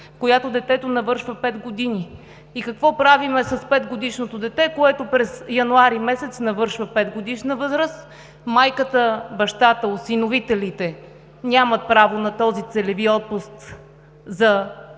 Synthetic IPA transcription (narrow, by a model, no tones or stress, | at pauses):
kojat̪od̪ɛt̪ɛt̪onɐvɤɾʃvəpɛd̪ɡod̪ini | ikɐkvɔpɾavimɛsɐspɛd̪ɡod̪iʃnot̪od̪ɛt̪ɛkoɛt̪opɾɛzjɐnuaɾimɛsɛt̪snɐvɤɾʃvəpɛd̪ɡod̪iʃnəvɤzɾəs | majkət̪əbɐʃt̪at̪əot̪sinovit̪ɛlit̪ɛ | nʲamət̪̚pɾavonɐt̪ɔzit̪sɛlɛviɔt̪̚pʊst̪ | zɐ